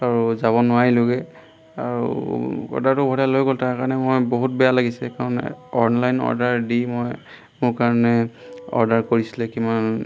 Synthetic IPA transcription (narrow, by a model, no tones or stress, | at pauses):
aɹuzaβɔnʊwailoɡɛ | aɹṵɔ̰ɹdaɹtʊbʱɔɾalojɡoltaɹkaɹnɛmojboɦut̚bɛjalaɡisɛkaɹɔnɛ̰ɔnlajnɔ̰ɹdaɹdimoj | mʊɹkaɹɔnɛ | ɔ̰ɹdaɹkoɹisilɛkiman